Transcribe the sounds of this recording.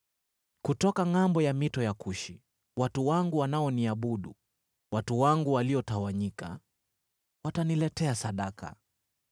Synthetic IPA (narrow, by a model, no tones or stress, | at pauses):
kutɔkaŋambɔjamitɔjakuʃi | watuwaŋɡuwanaɔniaɓuɗu | watuwaŋɡuwaliɔtawaɲika̰ | watanilɛtɛasaɗaka̰